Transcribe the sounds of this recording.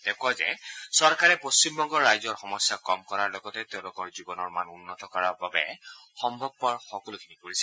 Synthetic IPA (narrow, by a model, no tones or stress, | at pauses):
d̥ɛkʰʊazɛ̰sɔɹkaɹɛpost͡ʃimbɔŋɡɔɹːajzɔɹxɔmɔsjakɔmkɔɹaɹlɔɡɔtɛteʊ̃lʊkɔɹzibɔnɔɹmanunːɔtɔkɔɹaɹbabɛxɔmbʱɔb̚pɔɹxɔkɔlukʰinikoɹisɛ